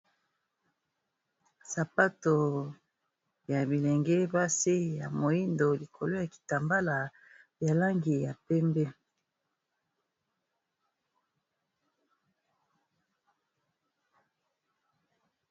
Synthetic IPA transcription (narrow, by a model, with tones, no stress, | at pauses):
sa˨pa˦to˨ | ja˨bi˨lɛ˨ŋɡɛ˦ba˦si˦ja˨mo˨i˦ndo˨li˨kʰo˨lo˦ja˨ki̥˨ta˨mba˦la˨ | bja˨la˦ŋɡi˨ja˨pɛ˦mbɛ˦